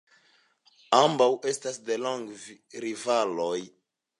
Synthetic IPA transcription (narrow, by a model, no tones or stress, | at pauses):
ambawʔestasdeloŋɡviɾivaloj